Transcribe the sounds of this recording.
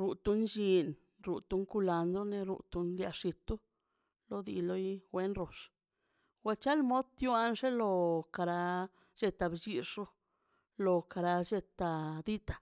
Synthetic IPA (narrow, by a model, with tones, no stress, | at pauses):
ɾu˨t̪u˧nd͡ʒi˧n | ɾu˨t̪u˧˦ŋku˧la˧nd̪ɾo˦ne˧ɾṵ˧t̪u˧nlja˧ʂi˧t̪u˦ | lo˧d̪ḭ˧lo˦jɡʷe˦nɾo˨ʂ | ɡwa˧t͡ʃa˦lmo˦d̪t̪ju˦a˧nʂe˦lo˧ka˧ɾa˧ | d͡ʒe˧t̪a˧bd͡ʒi˧ʂɾo˦ | lo˧ka˧ɾa˧d͡ʒe˧t̪a˧d̪i˦t̪ḁ˨